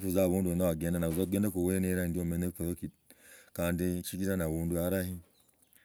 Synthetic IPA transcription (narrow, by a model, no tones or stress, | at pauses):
fuzaβunduɛnawaɡɛndanauzaɡɛndakuwɛneɾahindiomɛnepɔɾokikandit͡ʃiɡitanaβunduaɾahi